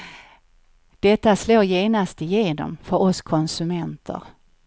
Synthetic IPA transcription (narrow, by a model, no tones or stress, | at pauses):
d̪̥ɛt̪ːasloːjeːnast̪ɪjeːnɔ̰mfœɾɔskʰɔnsɵmɛnt̪ʰə̰ɾ